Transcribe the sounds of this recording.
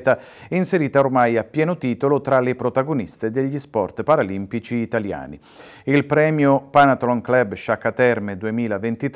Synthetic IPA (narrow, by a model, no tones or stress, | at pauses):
t̪a | ɛinseɾiːt̪aormajapːjɛːnot̪iːt̪olot̪ɾalepɾot̪aɡonist̪ed̪eʎːispɔrt̪paɾalimpit͡ʃiːt̪alja̰ːni | ilpɾɛːmjopanat̪ɾɔŋklɛbʃakːat̪ɛrmed̪uemiːlavent̪it̪